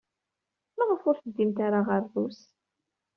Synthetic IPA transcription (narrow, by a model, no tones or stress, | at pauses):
məʁəfʊɾθəd̪ːimt̪aɾaʁəɾˤðus